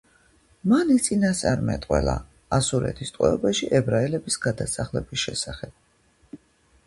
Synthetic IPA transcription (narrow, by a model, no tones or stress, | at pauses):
manit̪sʼinast̪ʼaɾmɛt̪ʼqʼwɛ̰la̰ | asuɾɛ̰t̪ʰist̪ʼwɛ̰ɔbaʃiʔɛbɾaɛlɛbisɡ̥ad̪asaχlɛbisʃɛsaχɛb̥̚